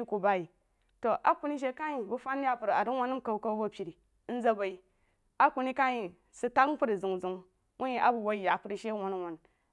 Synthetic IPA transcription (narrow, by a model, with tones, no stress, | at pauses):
i˦ku˨ba˦ji˨ | to˨ʔa˦ku˨ni˦ʃ̬e˦ka˦ji˨bu˦fa˦n˦ja˦pu˨ɾa˨di˦wa˦nːu˦m˦ka˨bu˨˦ka˦bu˦bo˦pʲi˨ɾi˨˦ | n̩˦za˦ba˨i˨ | a˦ku˨ni˦ka˦ji˨ | su˦ta˦kpu˦ɾi˨zu˨ŋzu˨ŋ | wu˦ji˦ʔa˦bu˨wo˦i˨ja˨pu˨ɾi˨ʃe˦wa˨n˦wo˨n